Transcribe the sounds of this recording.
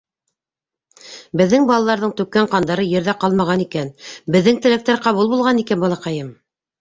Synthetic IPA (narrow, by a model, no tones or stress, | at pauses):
bɘ̆ðːɘŋbɑlˠɑlˠɑɾðɤɴt̪ʉkːæɴqɑnd̪ɑɾɤjɘ̆ɾðæqɑlˠmɑʁɑnikænbɘ̆ðːɘŋt̪ɘ̆læk̚t̪æɾqɑβulˠbulˠʁɑnikænbɑlˠɑqɑjɤm